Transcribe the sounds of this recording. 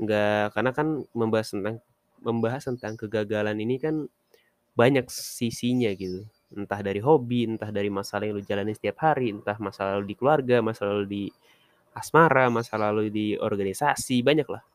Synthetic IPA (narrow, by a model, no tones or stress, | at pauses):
ŋɡakarnakanməmbaɦast̪ənt̪aŋ | məmbaɦast̪ənt̪aŋkəɡaɡalaninikan | baɲak̚sisiɲaɡit̪u | ənt̪ahdaɾiɦobiənt̪ahdaɾimasalajaŋlud͡ʒalaninsə̥t̪iap̚haɾiənt̪ahmasalaludikəluarɡamasalaludi | asmaɾamasalaludiɔ̰rɡanisasibaɲakla̰h